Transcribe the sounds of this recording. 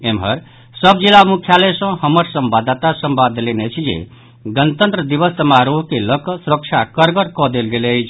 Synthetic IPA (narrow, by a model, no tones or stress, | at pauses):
emɦə̰ɾ | səbd͡ʒilamukʰjalesə̃həməɾsəmbad̪at̪asəmbad̪lenet͡ʃʰid͡ʒḛ | ɡənət̪ənt̪ɾəd̪ibəst̪əmaɾoɦkeləksuɾək̚t͡ʃʰakəɾɡəɾkɔd̪elɡelet͡ʃʰ